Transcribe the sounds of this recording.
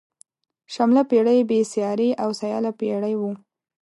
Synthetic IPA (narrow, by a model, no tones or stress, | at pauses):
ʃamlapeɽajbesjɑɾeʔawsajɑ̰lapeɽəjwu